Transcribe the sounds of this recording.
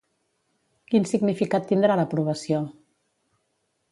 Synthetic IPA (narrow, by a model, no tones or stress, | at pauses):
kinsiɡnifikat̪ːind̪ɾaləpɾuβ̞əsio